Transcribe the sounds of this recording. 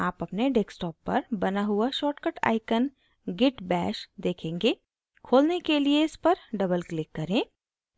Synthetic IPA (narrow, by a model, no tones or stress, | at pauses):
aːpɐpneɖɛːksʈɔːpːɐ̰ɾbɐnaɦʊaʃɔːʈkəʈa̰ːɪkən | ɡɪʈbɛːʃd̪eːkʰẽːŋɡe | kʰoːlnekelieɪspɐɾɖɐbəlklɪkːɐɾẽː